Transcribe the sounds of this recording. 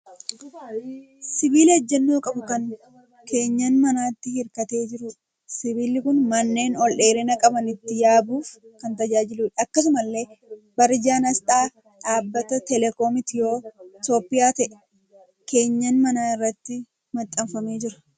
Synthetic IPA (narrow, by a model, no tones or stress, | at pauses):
sɪbiːlɪɐd͡ʒːɛnːoːkʼɐbʊkɐn | ke̞ːɲːɐnmɐnaːt̪ːɪhɪɾkɐt̪e̞ːd͡ʒɪɾʊ | sɪbiːlɪkʊnmɐnːe̞ːnɔlʔe̞ːɾɛnɐkʼɐbɐnɪt̪ːɪjaːbuːfkɐnt̪ɐd͡ʒaːd͡ʒɪluːᶑɐkːɐs̬ʊmɐlːe̞ː | bɐɾɪd͡ʒaːnɐst̪ʼaː | ᶑaːbːɐt̪ɐt̪ɛlɛko̞ːmɪt̪ɪjo̞ːɪt̪o̞ːpːɪjaːt̪ɐʔɛ̥ | ke̞ːɲːɐnmɐnaːɪrːɐt̪ːɪ | mɐt̪ʼːɐmfɐme̞ːd͡ʒɪɾɐ̥